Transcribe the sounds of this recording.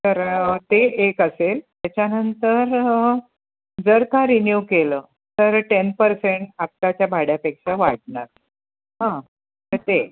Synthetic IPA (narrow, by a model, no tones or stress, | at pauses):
t̪əɾt̪eekəselt̪jat͡ɕjanənt̪əɾ | d͡zəɾkaɾinjukelə | t̪əɾʈenpəɾseɳʈap̚k̪at͡ɕjabʱaɽjapekʂaʋaʈ̚ɳaɾ | ɦã | ət̪e